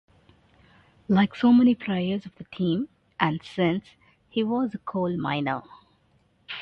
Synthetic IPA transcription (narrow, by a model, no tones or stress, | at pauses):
laɪksoːmɛnipʰɾeɪə˞zɔvðəʈʰĩːm | ʔæ̃nsɪ̃ns | hiʋɔzəkʰoːlmã̰ɪnə̰